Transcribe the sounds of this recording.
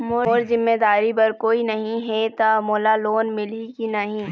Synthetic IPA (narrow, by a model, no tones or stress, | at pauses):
moːoːɾzɪmːeːd̪aːɾibɐɾkoːinɐɦĩɦɛt̪amoːlaloːnmɪlikinɐɦĩː